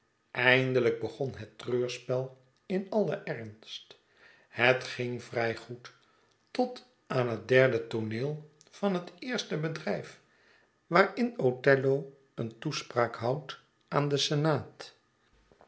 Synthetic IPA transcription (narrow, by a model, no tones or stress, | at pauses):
ʔɛjndələɡ̚bəχɔnɦətrøːɹspɛlˠ | ɪnɑlˠəʔɛɹnst | hətχɪŋvrɛjχut | tɔt | aːnɦət̚dɛɹdətonɪːlˠ | fɑnɦətɪːɹstəbədrɛjf | ʋaːɹɪnotɛlow | əntuspraːkɦʌwt | ʔaːndəsɛnaːt